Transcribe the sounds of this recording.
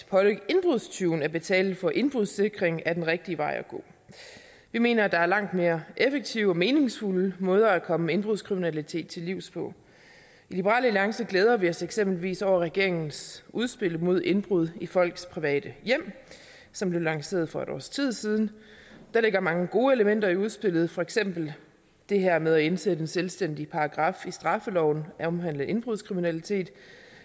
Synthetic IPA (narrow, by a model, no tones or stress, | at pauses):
pʰɒ̽le̝nb̥ʁuðˠst͡sʰuːnæɐb̥e̝t͡sʰɛ̰ːl̩ˠfɒ̽ʔe̝nb̥ʁuðˠse̝ɡ̥ʁeŋæd̥enʁeɡ̥̚d̥iəʋɑ̈ɪ̰ɒɡ̥o̝̰ː | ʋime̝̰ːnɐd̥ɑ̈æɐlɑ̈ŋ̰d̥me̝ːɐʔefeɡ̥̚t͡sʰiʊɒ̽me̝ːne̝ŋsfuləmɔ̽ːð̞ˠɐækʰɒ̽məmee̝nb̥ʁuðˠskʰʁiminælit͡sʰe̝̰ːd̥̚t͡sʰe̝liʊ̰spʰɒ̽ | ilib̥əʁɑ̰ːləæliɑ̈ŋsɐɡ̥leːð̞ˠɐʋiɒ̽seɡ̥sem̰b̥lʋḭːsɒʊ̰ɐʁɛɡ̥e̝ɐ̰e̝ŋn̩sʔuð̞ˠsb̥e̝l̰mo̝ð̞̰ˠe̝nb̥ʁuð̞ˠifɒ̽l̰ɡ̥spʰʁiʋɛ̰ːd̥əjem̰ | sɒ̽mb̥le̝ʊlɑ̈ŋse̝̰ːɐð̞̩ˠfɒ̽eɾ̥ɒ̰ːst͡sʰið̞̰ˠsiːð̞ˠn̩d̥æɐleɡ̥ɐmɑ̈ŋəɡ̥o̝ːeləmen̰d̥ɐiuðˠsb̥e̝lð̞̩ˠfɒ̽eɡ̥sem̰b̥l̩ | d̥e̝ɦeɐ̰með̞ˠæe̝nsed̥əd̥enselsd̥en̰d̥ipʰɑ̈ɑ̈ɡ̥ʁɑ̈fisd̥ʁɑ̈fəlɒʊ̰n̩æɒ̽mɦæn̰ləʔe̝nb̥ʁuð̞ˠskʰʁiminælit͡sʰe̝̰ːd̥